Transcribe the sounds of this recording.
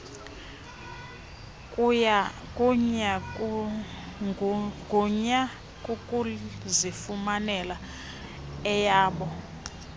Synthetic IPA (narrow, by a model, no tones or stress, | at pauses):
kʼuja | kʼuɲa | ɡʱuɲa | kʼukʼuzifumanɛla | ɛjaːɓɔ